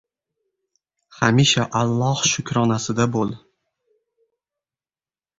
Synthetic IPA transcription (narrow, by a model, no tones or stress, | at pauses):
hamiʃaʔalˠːɒhʃʊkʲɾɒnasɪd̪abolˠ